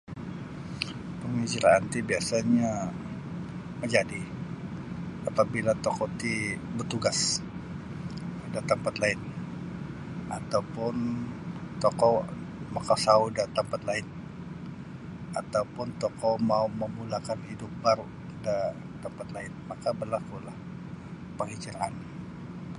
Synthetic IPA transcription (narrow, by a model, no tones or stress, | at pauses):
pəŋid͡ʒiɾa̰ant̪ibiasaɲa | məɲd͡ʒadi | ʔapabilat̪okot̪ibərt̪uɡas | dat̪əmpat̪laɪn | at̪awpʊn | t̪okɔmakasaudat̪əmpat̪laɪn | at̪aupʊnt̪ɔkɔmauməmulakanhidʊp̚baɾu | da | t̪əmpat̪laɪnmakabərlakulah | pəŋhit͡ʃiɾaʔa̰n